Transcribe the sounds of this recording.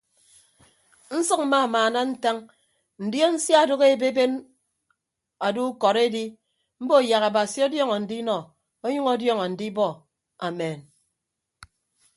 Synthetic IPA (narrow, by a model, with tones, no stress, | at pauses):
n̩˦sʌ˦k̚m̩˦ma˦˨maː˨na˦n̩˦ta˦ŋ | n̩˨djo˦n̩˦sja˦˨do˦ɣe˦˨be˦be˦n | a˨du˦kɔ˨ɾe˦di˦ | m̩˦bo˦˨ja˨ɣa˨ba˨si˨˦o˦djɔ˦ŋɔ˨n̩˨di˦nɔ˨ | o˦ɲu˦ŋɔ˦djɔ˦ŋɔ˨n̩˨di˦bɔ˦˨ | a˨me˨n